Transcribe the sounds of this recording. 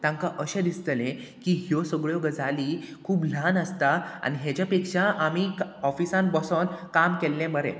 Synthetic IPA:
t̪ãŋkaʔəɕẽd̪ist̪lẽkiɦjɔsəɡɭjɔɡəd͡zaliːkʰuːbl̤anəst̪aa̰ñiɦet͡ɕjapekʂaʔamikɔfisãnbɔsɔnkamkelːẽməɾḛ̃

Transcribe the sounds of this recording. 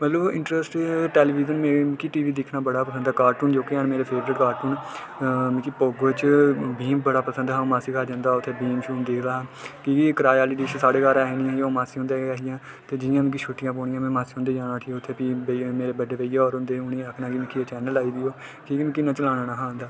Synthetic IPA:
mət̪ləbɪ̰̃ɳʈɾəsʈʈeːliːʋiːzənmẽːm̃ːkiʈiːʋiːd̪ɪkʰnaːbəɽaːpəsənd̪aːkaːɾʈuːnd͡ʒoːkeanmeːɾeːpʰeːʋəɾɪʈkaːɾʈuːn | mɪ̃kipoːɡoːt͡ʃbiːmbəɽaːpəsənd̪ɦãːmaːsiːkʰaːd͡ʒãːnd̪aːʊt̪ʰːeːbiːmʃuːmd̪eːkʰd̪aːɦːkiikɾaːjaːliːɖiːt͡ʃsaːɽeːkaːɾaːɦeːnĩjːmaːsiːɦʊ̃nd̪eːaːɦɪjãː | t̪eːd͡ʒɪjãːmɪ̃ːk̬iːʃuːʈɪjãːp̬oːɳɪjãːmɛ̃ːmaːsiɦõnd̪eːd͡ʒaːnaːt̪ʰiːʊt̪ʰːeːpiːbmeːɾeːbəɖeːpəijɔːɾɦʊ̃nd̪eːʊnẽːəkʰnãːkimɪ̃kʰːit͡ʃɛːnəlaːiːd̪ɪjoːkikːmɛ̃ːkɪnːãːt͡ʃəlãːnaːnaːɦãːɦnd̪aː

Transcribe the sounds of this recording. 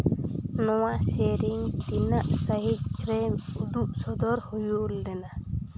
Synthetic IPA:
nɔwaseɾiŋt̪inaʔsəɦic̚ɾɛud̪uʔsɔd̪ɔɾhujulːɛna

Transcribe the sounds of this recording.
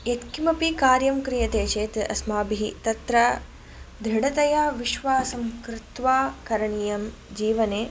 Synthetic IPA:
et̪kimɐpikaːɾjɐmkɾijɐt̪eːt͡ʃeːt̪ʔɐ̰smaːbiɦit̪ɐt̪ɾɐ | d̪ʱɾiɽɐt̪ɐjaːʋiʃʋaːsɐmkɾɪt̪ʋaːkɐɾɐɳijɐmd͡ʒiːʋɐneː

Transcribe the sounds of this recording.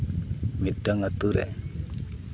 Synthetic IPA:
midaŋat̪uɾɛ̰

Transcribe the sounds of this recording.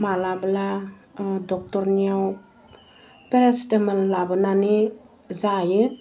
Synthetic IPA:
malabla | dɔk̚tɔɾniaw | peɾesteməlːabɯnani | zajɯ

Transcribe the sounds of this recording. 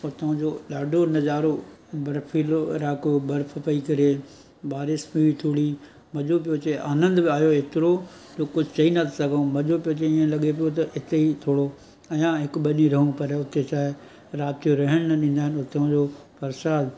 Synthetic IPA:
ʊt̪ɐɦɐ̃d͡ʑoːɗaːɖʱonɐzaːɾo | bɐɾpʰiːloɾaːkobɐɾfʰpɐikɐɾe | baːɾɪsmiʋit̪ʰuːɽi | mɐʄop̬ijot͡ɕeʔaːnə̃nd̪bɪaːjoɪt̪ɪɾo | d͡ʑoːkʊd͡ʑʱɪt͡ɕɐinɐt̪ʰsɐɡ̃ʱmɐʄopijot͡ɕɐiə̃lɐɠep̬ijot̪̬ɐɪt̪eit̪ʰoːɽo | ɐjãɦɪkʊɓɐɗiɾɐɦũpɐɾʊt̪et͡ɕaːɦɪ | ɾaːbt̪ijoɾɐɦəɽ̃nɐɗĩːnd̪aːɦɪnʊt̪ɐũd͡ʑoː | pɐɾʃaːd̪

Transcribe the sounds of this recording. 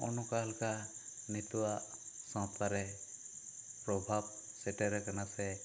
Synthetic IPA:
ɔnɔkaalkanɛt̪uwaʔ | sɔ̃taɾɛ | pɾɔbʱab̚sɛʈɛɾɛkanasɛ

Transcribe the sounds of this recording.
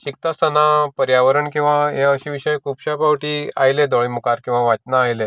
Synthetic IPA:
ɕik̚t̪ast̪ənapəɾjaʋəɾəɳkĩw̃ʋãɦeəɕiʋiɕəjkʰupɕapawʈiːa̰jled̪ɔɭimukaɾkĩw̃ʋaʋat͡ɕnaːjle

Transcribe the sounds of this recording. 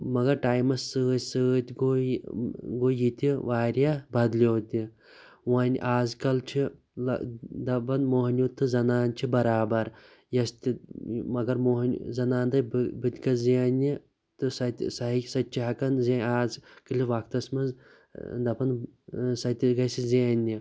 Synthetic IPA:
mɐɡɐɾʈaːjmɐsːɨɨsɨt̪ʲɡo | ɡojit̪ʲiʋaːɾʲjabɐd̪lʲoːt̪ʲi | waːnʲʔaːzkɐlt͡ʃʰi | ɐd̪ɐbɐnmoːɦnʲjut̪ʰːɨzɐnaːnt͡ʃʰibɐɾaːbɐɾ | jɐst̪ʲimɐɡɐɾmoɦnʲzɐnaːnd̪ɐbbɨt̪ʲɡɐzianʲi | t̪ɨsɐt̪ʲsɐɦisɐt̪ʲt͡ʃʰiɦɐkɐnzeaːzkɨliʋakt̪ɐsmɐz | d̪ɐpɐnsɐt̪ʲiɡɐsizianʲːi

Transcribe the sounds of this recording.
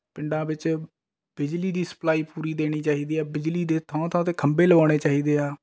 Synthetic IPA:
pɪɳɖãːbɪt͡ʃ | b̥ɪd͡ʒliːd̪iːsə̥plaːiːpuːɾiːd̪eːɽ̃iːt͡ʃaːɦiːd̪iːaːbɪd͡ʒliːd̪eːt̪ʰãːt̪ʰãːt̪eːkʰəmbeːləʋaːɽ̃eːt͡ʃaːɦiːd̪eːaː

